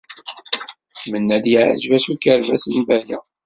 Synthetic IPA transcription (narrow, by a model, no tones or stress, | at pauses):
mənːæd̪jəʕə̰ʒvæsukəɾvæsənbæjæ̰